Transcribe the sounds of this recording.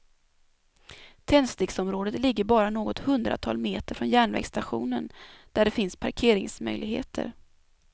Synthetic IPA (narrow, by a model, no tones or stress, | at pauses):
t̪ʰɛnst̪ɪɡsɔmɾoːd̪ət̪lɪɡːəɾbɑːɾanoːɡɔt̪hɵnd̪ɾa̰t̪ʰɑ̰ːlmeːt̪əɾfɾɔnjæːɳvɛ̰ɡst̪aɧṵːnənd̪̥æɖɛfɪnspʰaɾkʰeːɾɪŋsmœ̰jlɪɡhḛːt̪ʰə̰ɾ